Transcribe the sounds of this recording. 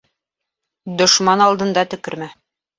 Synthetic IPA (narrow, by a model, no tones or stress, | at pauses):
d̪ŏʃmɑnɑlˠd̪ɤ̆nd̪ɑt̪ɵ̆kɘ̆ɾmæ